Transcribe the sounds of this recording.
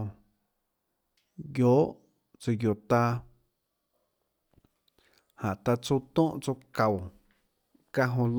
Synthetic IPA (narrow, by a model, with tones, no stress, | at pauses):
ɡjoː˨˦ʔ | t͡sə˧jo˧˨t̪a˧ | hã˨ʔt̪a˧t͡su˦˧t̪õː˦ʔt͡so˧ka˨w | ka˧ɦõ˧l